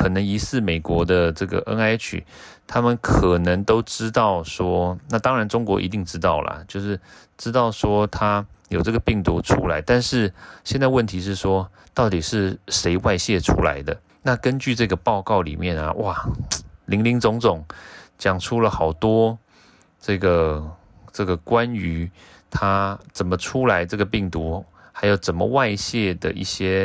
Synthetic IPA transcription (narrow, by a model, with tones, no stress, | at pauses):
kʰɤ˨˩nə˧˥ŋi˧˥sɹ̩˥˩me˨˩ɪkwɔ˧˥d̪ə˧ʈ͡ʂɤ˥˩ɡə̰˩ʔə̰˥ŋa˥ɪt͡ɕʰy̰˨˩˦t̪ʰa˥mə˨nkʰɤ˨˩nə˧˥ŋt̪o˥ʊʈ͡ʂɻ̩˥t̪ɑ˥˩ʊʂwɔ˥na˥˧t̪ɑ˥ŋɻa˧˥nʈ͡ʂʊ˥ŋkwɔ˧˥ʔḭ˧˥t̪i˥˩ŋʈ͡ʂɻ̩˥t̪ɑ˥˩ʊlə̰˩t͡ɕjo˥˧ʊʂɻ̩˥˩ | ʈ͡ʂɻ̩˥t̪ɑ˥˩ʊʂwɔ˥t̪ʰa˥jo˨˩ʈ͡ʂɤ˥˩ɡə˩pi˥˩ŋt̪u˧˥ʈ͡ʂʰṵ˥la˧˥ɪt̪a˥˧nʂɻ̩˥˩ɕjnt͡sa˥˧ɪwə˥˩nt̪ʰi˧˥ʂɻ̩˥˩ʂwɔ˥ | t̪ɑ˥˩ʊt̪i˨˩ʂɻ̩˥˩ʂe˧˥ɪwa˥˧ɪɕjɛ˥˩ʈ͡ʂʰṵ˥la̰˧˥ɪd̪ə˧ | na˥˩kə˥nt͡ɕy˥˧ʈ͡ʂɤ˥˩ɡə˩pɑ˥˧ʊkɑ˥˩ʊlḭ˨˩mjɛ˥˩nə̰˩wʔa˥˩li˧˥ŋli˧˥ŋt͡sʊ˧˥ŋt͡sʊ˨˩˦ŋt͡ɕjɑ˨˩ŋʈ͡ʂʰu˥lə˨xɑ˨˩ʊt̪wɔ˥ | ʈ͡ʂɤ˥˩ɡə˩ | ʈ͡ʂɤ˥˩ɡə˩kwa˦ny˧˥ | t̪ʰa˥t͡sə˨˩nmə˦ʈ͡ʂʰu˥la˧˥ɪʈ͡ʂɤ˥˩ɡə˩pi˥˩ŋt̪u˧˥ | xa˧˥ɪjo˨˩ʊt͡sə˨˩nmə̰˦wa˥˧ɪɕjɛ˥˩d̪ə̰˩ʔḭ˥˩ɕjɛ˥